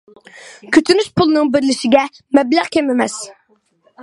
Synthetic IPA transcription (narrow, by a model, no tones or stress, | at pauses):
kʲʰyt̪ʰynyʃpʰulˠnɨŋbɪɾlɪʃɪɡʲɛ | mɛblæχkʲʰɛmɪmɛs